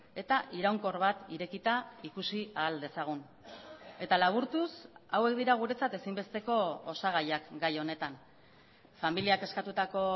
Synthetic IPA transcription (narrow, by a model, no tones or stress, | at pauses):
e̞t̪aʔiɾawŋko̞ɾβat̪iɾe̞kit̪aikusiaːld̪e̞saɣ̞un | e̞t̪alaβ̞uɾt̪usawe̞k̚d̪iɾaɣ̞uɾe̞t͡sat̪e̞simbe̞st̪e̞ko̞osaɣ̞ajakɡajo̞ne̞t̪an | familiake̞skat̪ut̪ako̞